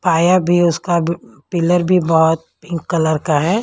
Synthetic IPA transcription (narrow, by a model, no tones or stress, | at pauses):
paːjabʱiʊskapɪləɾbʱibɐɦʊt̪̚pɪ̃ŋkːɐləɾkaɦɛː